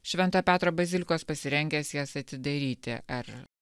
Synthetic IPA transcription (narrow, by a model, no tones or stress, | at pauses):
ʃʲʋʲɛnt̪ɑːpʲæːt̪ɾoːbɐzʲɪlʲɪkoːspɐsʲɪɾʲɛŋʲɡʲɛːsjæsɐt̪ʲɪd̪ɐɾʲiːt̪ʲɪ̰ʔɐɾ